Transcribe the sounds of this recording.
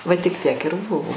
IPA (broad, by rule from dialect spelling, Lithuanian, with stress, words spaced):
ˈʋɐ tʲɪk ˈtʲiɛk ɪr ˈbʊʋoː